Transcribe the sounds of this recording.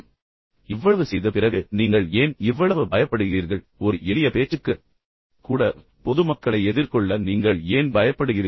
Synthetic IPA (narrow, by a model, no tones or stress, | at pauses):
ɪʋːɐɐʋɯsɛjðɐpɪrɐɣɯniːŋɡɐɭeːnɪʋːɐɭɐʋɯbɐjɐpːɐɽɯɣɪɾiːɾɣɐɭ | ɔɾɯɛlɪjɐpeːt͡ʃːɯkːɯ | kuːɽɐ | pɔðɯmɐkːɐɭɐɪɛðɪɾkɔɭːɐniːŋɡɐɭeːnbɐjɐpːɐɽɯɣɪɾ